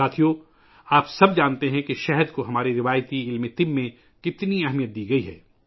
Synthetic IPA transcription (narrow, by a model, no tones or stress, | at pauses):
aːt̪ʰijo | aːpsɐbd͡ʒaːnt̪eɦɛ̃keʃɛɦəd̪koɦɐmaːɾeɾɪʋaːjt̪iɪlmet̪ɪmːẽ | kɪt̪niɛɦmijət̪̚d̪iːɡɐiɦɛ̰ː